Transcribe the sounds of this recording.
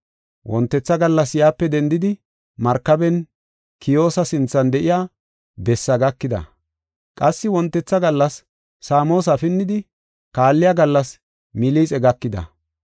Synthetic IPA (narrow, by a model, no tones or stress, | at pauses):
wʔɔnt̪ːɛt͡sːɐɡɐlːɐsjaːpːɛd̪ɛnd̪ɪd̪ɪ | mɐɾkːɐbɛn | kɪjo̞ːsɐsɪnt͡sːɐnd̪ɛʔɪjaː | bɛsːɐɡɐkːɪd̪ɐ̰ | kʼɐsːɪwɔnt̪ːɛt͡sːɐɡɐlːɐsː | aːmo̞ːs̬ɐfɪnːɪd̪ɪ | kaːlːɪjaɡɐlːɐs | mɪliːt͡sʼɛɡɐkːɪd̪ɐ̰